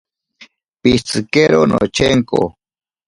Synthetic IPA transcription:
pit͡sɨkeɾonʔo̰t͡ʃeŋko̰

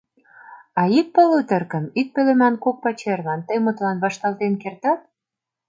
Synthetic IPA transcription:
ɑik̚pəlut̪ə̆rkə̆mik̚pølĕmænkok̚pɑt͡ɕerlɑnt̪əjmut̪lɑnβɑʃt̪ɑlt̪enkert̪ɑt̪̚

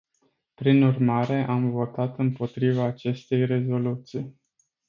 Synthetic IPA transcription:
pɾinurmaɾe̞ʔamvo̞t̪at̪ɨmpo̞t̪ɾivaːt͡ʃe̞st̪e̞jre̞zo̞lut̪sij

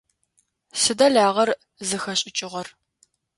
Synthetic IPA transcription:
sɨdɐɮaːʁɐr | zɨxɐɕʼɪt͡ʃʼɪʁɐr

